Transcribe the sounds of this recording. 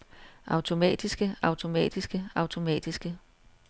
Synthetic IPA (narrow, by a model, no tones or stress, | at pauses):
ʔɑ̈ʊt͡sʰo̝mɛ̰ːd̥isɡ̥əɑ̈ʊt͡sʰo̝mɛ̰ːd̥isɡ̥əɑ̈ʊt͡sʰo̝mɛ̰ːd̥isɡ̥ə